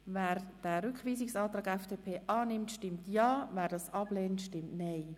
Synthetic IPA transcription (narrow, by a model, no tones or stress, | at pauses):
vɛːɾd̥ɛɾʏkχʋiːsɪksɑːt̪ɾɑːɡɛfd̥eːpʰeːʔɑːnɪmtʃtɪmtjɑːvɛːɾdɑsɑb̥leːntʃtɪmtnɛɪ